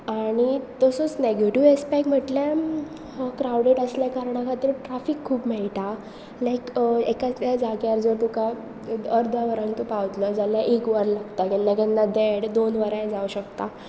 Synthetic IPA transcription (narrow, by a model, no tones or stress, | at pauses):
aɽ̃it̪ɔsɔt͡sneɡeʈiʋespakm̤əʈlja | kɾawɖeʈəsljakaɾɳakʰat̪iːɾʈɾafikʰːuːpmɛɭt̪a | lajkekat͡st̪jad͡zaɡjaɾd͡zoɾt̪uka | əɾd̪ʱaʋəɾant̪upaʋt̪ləd͡zaljaʔekʋəɾlaɡt̪akɛnːakanːad̪ɛɽd̪onʋəɾãjd͡zauɕək̚t̪a